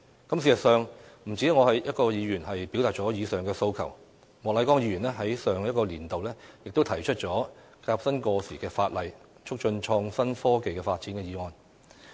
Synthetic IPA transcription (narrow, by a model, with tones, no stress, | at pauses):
kɐ˥ms̬iː˨˩sɐ˨t̚sœː˨ŋm̩˨˩t͡si˨˥ŋɔː˨˧hɐ˨˩jjɐ˥kɔː˧jiː˨˧jyː˨˩nhɐ˨jpi˨˥wt̪aː˨t̚t͡sɔː˨˥jiː˨˧sœː˨˩ŋkɛː˧so˧wkʰɐ̰˨˩w | mɔː˨klɐ˨˥jkɔː˥ŋjiː˨˧˥ɥyː˨˩nɛː˥ɦɐ˨˥jsœː˨ŋjɐ˥t̚kɔː˧liː˨˩nt̪o˨wlɛː˥jɪ˨k̚t̪o˥wt̪ʰɐ˨˩jt͡ʃʰɵ˥t̚t͡ʃɔː˨˥ | kaː˧p̚sɐ˥nkɔː˧siː˨˩kɛː˧faː˧t̚lɐ˨j | t͡ʃʰʊ˥k̚t͡ʃɵ˧nt͡ʃʰɔː˧ŋsɐ˥nfɔː˥ke˨jkɛː˧faː˧t̚t͡siː˨˥nkɛː˧jiː˨˧ŋɔː˧n